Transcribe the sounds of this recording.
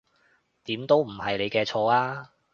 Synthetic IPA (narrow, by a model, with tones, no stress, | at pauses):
t̪iː˨˥mt̪o˥wm̩˨˩hɐ˨jle˨˧jkɛː˧t͡ʃʰɔː˨˧aː˥